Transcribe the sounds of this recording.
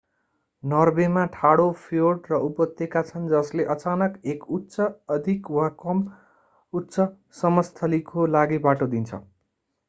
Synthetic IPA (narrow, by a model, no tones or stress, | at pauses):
nʌrbemaʈʰaɽopʰijoʈrʌupʌt̪ːekat͡sʰʌnd͡zʌsleʔʌt͡sanʌkekutːsʌʌd̪ʱikwakʌm | utːsʌ | sʌmʌst̪ʰʌlikolaɡibaʈod̪int͡sʰʌ̰